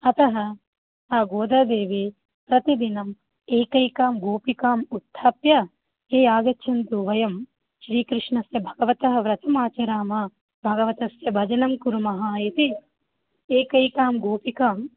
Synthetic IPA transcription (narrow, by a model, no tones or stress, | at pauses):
ɐt̪ɐɦɐ | aːɡoːd̪ɐd̪eːʋeː | pɾɐt̪id̪inɐm | eːkɐjkaːmɡoːpikaːmut̪ʰːaːpjɐ | eːaːɡɐt͡ʃʃʰɐnt̪uʋɐjɐm | ʃɾiːkɾɪʂɳɐsjɐbʱɐɡɐʋɐt̪ɐɦɐ̆ʋɾɐt̪ɐmaːt͡ʃɐɾaːmɐ | bʱɐɡɐʋɐt̪ɐsjɐbʱɐd͡ʒɐnɐmkuɾumɐɦaːjit̪i | eːkɐjkaːmɡoːpikaːm